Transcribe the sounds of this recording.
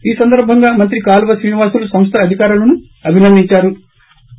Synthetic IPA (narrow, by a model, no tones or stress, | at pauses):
iːsɐnd̪ɐɾbʱɐŋɡaːmɐnt̪̬ɾikaːlʋɐsɾiːniʋaːsulusɐmst̪ʰɐːd̪ʱikaːɾulɐnu | ɐbʱinɐnd̪iɲt͡ʃaːɾu